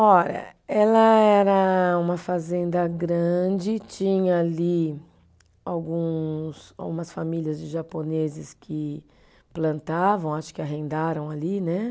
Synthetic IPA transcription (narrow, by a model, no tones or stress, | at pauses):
ɔʎɐ̰ɛlɐɛɾɐũmɐfazẽnd̪ɐɡɾɐ̃d͡ʒɪt͡ʃĩɲɐːli | awɡũsa̰wɡũmɐsfamiliɐzd͡ʒɪʒaponezɪskʰɪ | plɐ̃nt̪avɐ̃w̃aʃʊ̥kɪaɦẽnd̪aɾɐ̃w̃alinɛ